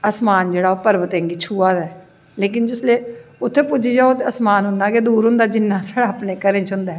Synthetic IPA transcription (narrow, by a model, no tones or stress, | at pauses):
əsmaːnd͡ʒeːɽaːoːpəɾʋət̪ẽːŋɡiːt͡ʃʰuːaːd̪ɛː | leːk̬ɪnd͡ʒɪsleːʊt̪ʰːeːpʊd͡ʒiːd͡ʒaːot̪eəsmaːnɦʊnːaːkeːd̪uːɾɦʊ̃nd̪aːd͡ʒɪnːãːsəɽaːpneːkəɾẽːt͡ʃʰɦʊ̃nd̪ɛː